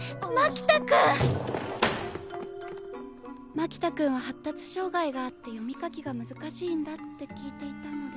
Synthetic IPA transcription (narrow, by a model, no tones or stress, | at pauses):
makʲi̥t̪akɯ̃ | makʲi̥t̪akɯ̟̃ɰ̃βahat̪ːat͡sɨ̥ɕo̞ːɡaiɡaːt̪ːe̞jo̞mʲikakʲiɡamɯ̟zɨkaɕĩːnd̪at̪ːe̞kʲiːt̪e̞it̪anod̪e